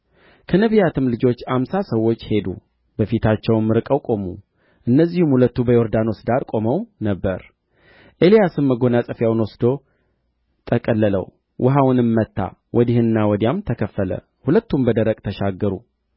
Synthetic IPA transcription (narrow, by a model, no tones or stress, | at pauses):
kʰənəβijat̪ʰɨmlɨd͡ʒo̞t͡ʃːamsasəwːo̞t͡ʃːhe̞d̪ṵ | bəfit̪ʰat͡ʃːɛwmːɨɾɨkʼəwkʼo̞mṵ | ʔɨnːəzːihumhulət̪ːubəjo̞ɾd̪ano̞sd̪aɾkʼo̞məwnəbːəɾ | ʔe̞lijasɨmːəɡo̞nasʼəfjawnwɔsd̪o̞ | t̪ʰəkʼəlːələ̰w | wʔʊɦawnɨmːət̪ʰːa̰wʔɔd̪ihɨnɨnːawɔd̪jamt̪ʰəkʰəfːələ̰ | hulət̪ːumbəd̪əɾəkʼt̪ʰəʃaɡːəɾṵ